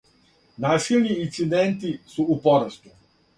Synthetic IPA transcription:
naːsilʲniːsid̪ent̪isuupoɾast̪u̥

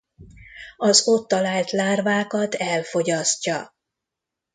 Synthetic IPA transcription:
ɒzot̪ːɒlaːlt̪laːrvaːkɒt̪ɛlfo̞ɟɒscːɒ

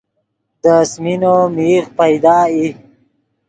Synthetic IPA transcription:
d̪əsminomiːɣpajd̪ɑːi

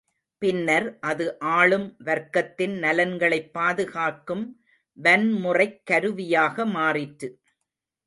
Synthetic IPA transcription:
pɪnːɐɾʔɐðɯʔaːɭɯmʋɐɾkːɐt̪ːɪnnɐlɐnɡɐɭɐɪpːaːðɯɣaːkɯm | ʋɐnmʊrɐɪkːɐɾɯʋɪjaːɣɐmaːrɪʈːɯ

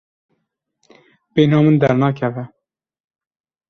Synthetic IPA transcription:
benɑːmɨnd̪ɛɾnɑːkʰɛvɛ

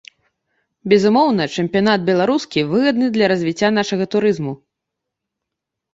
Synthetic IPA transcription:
bʲɛzumɔwnɐt͡ʂɛmʲpʲijanad̪̚bʲɛlˠaɾuskʲivɨɣɐd̪nɨd̪lʲɐɾɐzʲvʲit͡sʲːan̪aʂɐɣɐt̪uɾɨzmu

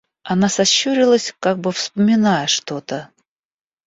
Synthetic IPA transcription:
ɐnasɐɕːuɾʲɪlˠəsʲkaɡ̚bɨfspəmʲɪnajəʂt̪o̞t̪ə

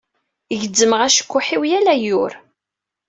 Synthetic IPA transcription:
ʝəd͡zːəməʁæʃə̥kʷːʊħiwjælæjʊɾ

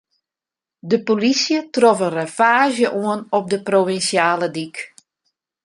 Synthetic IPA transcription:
dəpolisjətrɔfənrəfaːʒjəʔuənɔp̚dəprovinsjaːlədik

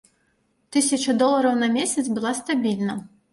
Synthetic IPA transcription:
t̪ɨsʲɐt͡ʂɐd̪ɔlˠɐɾɐwnɐmʲesʲɐt̪sbɨlˠast̪abʲilʲnɐ

